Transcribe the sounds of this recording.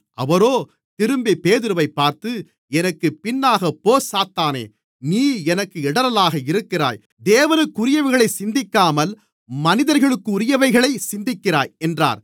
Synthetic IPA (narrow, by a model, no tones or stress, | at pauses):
ɐ̰ʋɐɾoː | t̪ɪɾɯmbipeːðɪɾɯʋɐɪpːaːɾt̪ɯ | ɛnɐkːɯpɪnːaːɣɐpoːsaːt̪ːaːnḛː | niːɛnɐkːɯɛɽɐɾɐlaːɣɐɪɾɯkːɪra̰ːj | d̪eːʋɐnɯkːʊɾɪjɐʋɪɣɐɭɐɪsɪnd̪ɪkːaːmɐl | mɐnɪðɐɾɣɐɭɯkːɯʊɾɪjɐʋɐɪɣɐɭɐɪsɪnd̪ɪkːɪɾaːjɛndra̰ːɾ